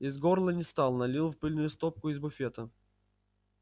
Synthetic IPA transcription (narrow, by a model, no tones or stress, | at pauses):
ɪzɡorlˠənʲɪst̪ɑlˠnɐlʲilˠfpɨlʲnʊjʊst̪op̚kʊɪzbʊfʲet̪ə